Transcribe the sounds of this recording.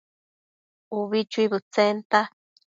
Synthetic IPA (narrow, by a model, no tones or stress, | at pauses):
uβit͡ʃuiβɨt͡sent̪a